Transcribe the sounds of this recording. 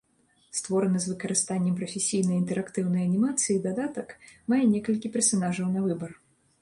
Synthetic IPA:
st̪vɔɾɐnɨzvɨkɐɾɨst̪anʲːɛmpɾɐfʲesʲijnɐjint̪ɛɾakt̪ɨwnɐjɐnʲimat̪sɨid̪ad̪at̪ɐkmajɛnʲɛkɐlʲkʲipʲɛrsanaʐɐwnɐvɨbɐr

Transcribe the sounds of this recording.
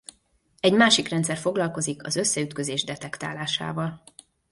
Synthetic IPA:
ɛɟmaːʃikrɛnt̪sɛrfo̞ɡlɒlko̞zikɒ̰zø̞sːɛyt̪køzeːʒd̪ɛt̪ɛkt̪aːlaːʃa̰ːvɒl

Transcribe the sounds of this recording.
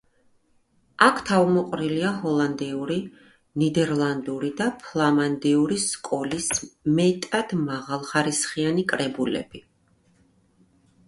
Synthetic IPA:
akʰt̪ʰavmɔqʼɾiliaɦɔlˠand̪iuɾi | nid̪ɛɾlˠand̪uɾid̪apʰlˠamand̪iuɾiskʼɔlismɛt̪ʼad̪̥maʁalˠχaɾisχianikʼɾɛbulɛ̰b̥i

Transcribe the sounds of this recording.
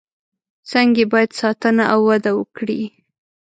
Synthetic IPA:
t͡sɑŋɡebɑjad̪sɑt̪ənaʔawːad̪awəkɽi

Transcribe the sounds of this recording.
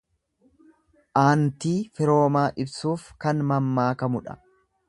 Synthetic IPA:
ʔaːnt̪iːfɪɾo̞ːmaːʔɪbsuːfkɐnmɐmːaːkɐmʊᶑɐ̥̰

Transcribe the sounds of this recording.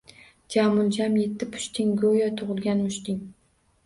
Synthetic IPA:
d͡ʒamʊlˠd͡ʒamje̞t̪ʰːɪpʰʊ̥ʃt̪ʰɪŋɡojɒt̪ʰʊʁɨlˠɡʲanmʊʃt̪ɪŋ

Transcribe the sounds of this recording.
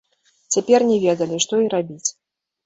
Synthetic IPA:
t͡sʲapʲɛrnʲɛvʲɛd̪ɐlʲiʂt̪ɔiɾabʲit͡sʲ

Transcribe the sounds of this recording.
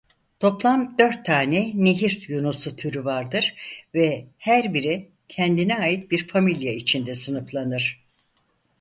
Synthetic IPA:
t̪ʰo̞plˠamd̪ø̞ɾt̪ʰːaːnɛneɦiɾjunusut̪ʰyɾyvaɾd̪ɯɾ̥vɛhæɾbiɾi | cʰɛnd̪inɛajit̪̚biɾfamilʲjait͡ʃʰind̪ɛsɯnɯflˠanɯɾ̥

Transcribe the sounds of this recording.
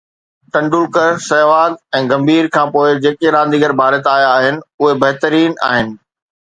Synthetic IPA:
ʈɐ̃ɳɖʊlkəɾsɛːʋaːd̪ɛ̃ːɡɐ̃mbʱiːɾkʰãːpoːɪd͡ʑeːkeɾãːnd̪iɡəɾbʱaːɾət̪aːjaːɦɪnɪ̆ʊɦebɐɦt̪əɾiːna̰ːɦɪnɪ̆

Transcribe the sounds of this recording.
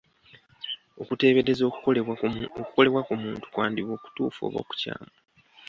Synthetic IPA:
okute̞ːβeɾezo | oku̥ko̞le̞βwakumuːntu̥kwaːndiβo̞ːku̥tuːfo̰ːβo̞̰ːku̥ca̰ːmu

